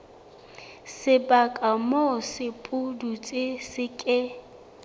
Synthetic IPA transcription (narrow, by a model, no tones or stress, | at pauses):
sɪbakʼamɔsɪpʼʊdut͡sʼɪsɪkʼɪ